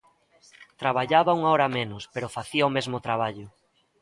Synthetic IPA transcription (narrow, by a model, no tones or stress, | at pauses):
t̪ɾaβaʎaβɐuŋaɔɾɐmenʊspeɾʊfaθiɐomezmʊt̪ɾaβ̞aʎʊ